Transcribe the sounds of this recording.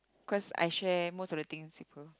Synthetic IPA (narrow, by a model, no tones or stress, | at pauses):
kʰɔsa̰jʃɛmostɔvdət̪ĩŋspipʰə